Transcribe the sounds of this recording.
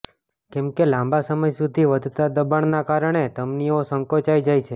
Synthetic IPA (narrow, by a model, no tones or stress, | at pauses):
kɛmkelãmbasəməjsud̪ʱiʋəd̪ʱt̪ad̪əbaɳnakaɾəɳ̃et̪əmniosəŋkot͡ʃajd͡ʒajt͡ʃʰe